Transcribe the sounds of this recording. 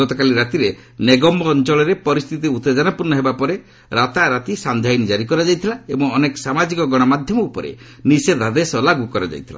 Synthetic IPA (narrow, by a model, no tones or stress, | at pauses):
ɔt̪ɔkaliɾat̪iɾeneɡɔmbɔnt͡ʃɔɭɔɾepɔɾist̪ʰit̪̬iut̪ːed͡ʒanapuɾnɔɦebapɔɾe | ɾat̪aːɾat̪isand̪ʱajnid͡ʒaɾikɔɾad͡ʒajt̪ʰilaebɔːnekɔ̥samad͡ʒikɔɡɔɽ̃amad̪ʱjɔmɔupɔɾḛ | nised̪ʱad̪esɔlaɡukɔɾad͡ʒa̰jt̪ʰila̰